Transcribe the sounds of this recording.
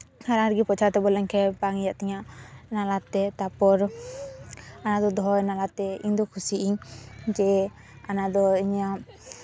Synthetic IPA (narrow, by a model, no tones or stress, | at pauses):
haɾaaɾɡipɔt͡ʃʰaɾt̪ɛbɔlɛɲkʰɛbaŋijaʔt̪ɛɲaʔnalat̪ɛt̪apɔɾ | anad̪ɔd̪ɔjnalat̪ɛiɲd̪ɔkʰusiʔiɲd͡ʒɛ | anad̪ɔiɲa